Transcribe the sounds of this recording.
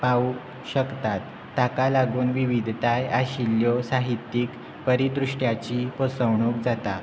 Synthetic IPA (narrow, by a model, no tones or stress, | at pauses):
pau | ɕəkt̪at̪ːakalaɡuːnʋiʋid̪ʱt̪ajaɕiljɔsaɦit̪ːiːk | pəɾit̪ɾuʂʈjat͡ɕiːpɔsəʋɳuːk̚d͡zat̪a